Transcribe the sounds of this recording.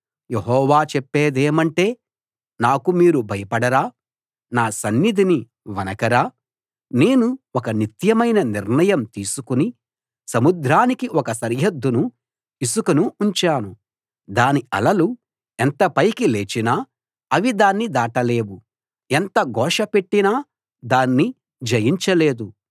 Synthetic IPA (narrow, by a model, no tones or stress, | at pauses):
jeɦɔːʋaːt͡ʃɛpːeːd̪eːmɐɳʈe̞ː | naːkumiːɾubʱɐjɐpɐɽɐɾaː | naːsɐnːid̪ʱini | ʋɐnɐkɐɾaː | ne̞ːnuɔkɐnit̪jɐmɐjnɐniɾɳɐjɐmt̪iːsukuni | sɐmud̪ɾaːnikiʔɔkɐsɐɾɦɐd̪ʱːunu | isukɐnuːɲt͡ʃaːnu | d̪aːniɐ̰lɐlu | ent̪ɐpɐjkile̞ːt͡ʃinaː | ɐʋid̪aːnːid̪aːʈɐle̞ːwu | ent̪ɐɡɔːʂɐpe̞ʈːinaː | d̪aːnːi | d͡ʒɐjiɲt͡ʃɐle̞ːd̪u